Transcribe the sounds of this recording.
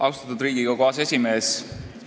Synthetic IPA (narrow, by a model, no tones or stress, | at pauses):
ʔɑwst̪ɑt̪ud̪ɾiːɡiɡɑkoɑse̞sʲime̞ːs